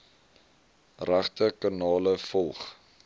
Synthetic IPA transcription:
ræχtəkɑnɑːləfɔlˠχ

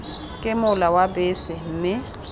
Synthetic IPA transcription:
kʼɪmʊlawabɪsɪm̩mɪ

